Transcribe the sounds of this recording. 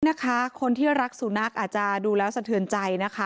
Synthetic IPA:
na˦˥kʰa˦˥kʰo˧nt̪ʰiː˥˩ɾa˦˥k̚su˩˦na˥˩k̚ʔaː˨˩t͡ɕa˨duː˧lɛː˦˥wsa˧t̪ʰɯ˨˩ənt͡ɕa˧jna˦˥kʰa˦˥

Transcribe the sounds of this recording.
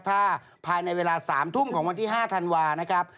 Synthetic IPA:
t̪ʰaː˥˩ | pʰːaː˧jna˧jweː˧laː˧saː˩˦mt̪ʰu˥˩mkʰɔː˩˦ŋwa˧nt̪ʰiː˥˩ɦaː˥˩t̪ʰa˧nwaː˧na˦˥kʰɾa˦˥p̚

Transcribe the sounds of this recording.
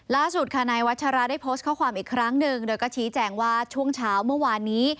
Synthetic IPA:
laː˥˩su˨˩t̪̚kʰa˧naː˧jwa˦˥t̪̚t͡ɕʰa˧ɾa˦˥daː˥˩jpʰoː˦˥st̪̚kʰa˥˩wkʰwaː˧mʔiː˨˩kʰɾa˦˥ŋnɯ˨˧ŋdoː˧jkɔː˥˩t͡ɕʰiː˦˥t͡ɕɛː˧ŋwaː˥˩t͡ɕʰu˥˩əŋt͡ɕʰaː˦˥wmɯ˥˩ɐwaː˧nːiː˦˥

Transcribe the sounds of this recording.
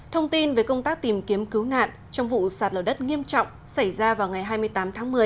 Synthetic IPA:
t̪ʰə˧wŋ͡mt̪i˧nve˨˩jkə˧wŋ͡mt̪aː˦˥k̚t̪i˨˩mki˨˦əmkɨ˨˦wna̰ː˧˨n | t͡ɕɔ˧wŋ͡mvṵ˧˨saː˨˩t̚ləː˨˩ɗə˦˥t̚ŋi˧əmt͡ɕɔ̰˧˨wŋ͡m | sa˧˩jzaː˧vaː˨˩wŋa˨˩jɦaː˧jm˧əjt̪aː˨˦mt̪ʰaː˨˦ŋmɨ˨˩əj

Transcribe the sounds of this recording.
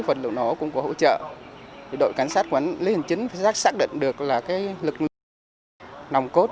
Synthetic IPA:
fə˨˩nlɨ̰˨˧˨ə˩wnɔ˨˩˦kʊ̰˧˥ŋ͡mkɔ˨˦ɦo̰˧˨t͡ɕə̰ː˧˨t̪ʰi˨˩ɗo̰˧˨jka˨˧˦jŋsaː˦˥t̚kwnli˧˦hi˨˩ŋ̟t͡ɕi˨˦ŋ̟faː˨˦jaː˦˥saː˦˥k̚ɗḭ˧˨ŋ̟ɗɨ˨˩ə˩k̚laː˨˩kaː˨˦jlɨ˨˩k̚l | na˨˩wŋ͡mko˦˥t̚

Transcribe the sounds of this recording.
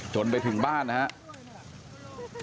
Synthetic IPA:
t͡ɕo˧˩np̬a˧jt̪ʰɯ˨˩˦ŋbaː˥˩nː˦ha˦˥ʔ

